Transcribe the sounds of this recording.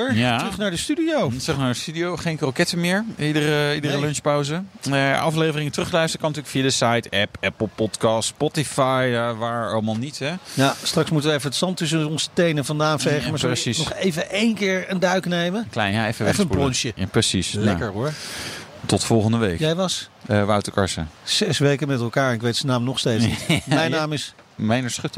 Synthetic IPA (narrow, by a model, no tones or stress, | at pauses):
əjarɵχnaːɹdəstydiowtrɵχnaːɹdəstydiowχejnkrokɛtəmɪːɹidərəidərəlønspawzəʔɑ̰flejvərɪŋətrɵχlœɥstərəkɑnətyːləkfijadəsajtɛpɛpəl̩ˠpɔtkɑstspɔtifajʋaːɹɑlˠmalˠnitɛjastrɑksmutəʋəɛfəətsɑntɵs̬əɔnzətejnəvɑndaːfɛjχəmaːɹəsisnɔχejvəʔejnkɪːɹəndœɥknejməklɛjnaɛfəʋɛfəənplɔnʃjəjaprəsislɛkəɹɦʊːɹ | tɔtfɔlˠχəndəʋejkjɛjʋɑsʋɑwtəkɑ̰ɹsə̰sɛsʋejkəmɛtɛlˠkaːɹɛnɪkʋejtsənaːmnɔχstejtmɛjnnaːmɪs | mejnəɹsχʏt